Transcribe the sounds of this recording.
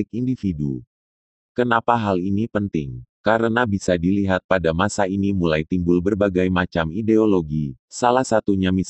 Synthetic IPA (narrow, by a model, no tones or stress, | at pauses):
ɪk̚indifidu | kənapaɦalinipənt̪ɪŋkaɾənabisadiliɦat̪̚padamasainimulajt̪imbʊlbərbaɡajmat͡ʃamideoloɡisalahsat̪uɲamis